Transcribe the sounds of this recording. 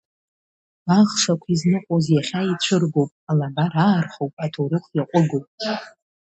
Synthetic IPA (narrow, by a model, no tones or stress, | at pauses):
aʁʂakʷʰiznɨqʷʼozjaχʲait͡ɕʷʰɨrɡowpʼalabaɾaːrχowpʼatʰoɾɨχʷʰjaqʷʼʊɡopʼ